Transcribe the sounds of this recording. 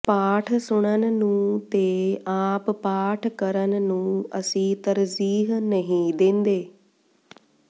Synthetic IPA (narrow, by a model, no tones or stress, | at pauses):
paːʈʰsʊɽ̃ənɪ̆nũːt̪eaːppaːʈʰkɐɾənɪ̆nũːɐ̰sĩt̪ɐɾziːɦnɐɦĩd̪ẽːn̆d̪eː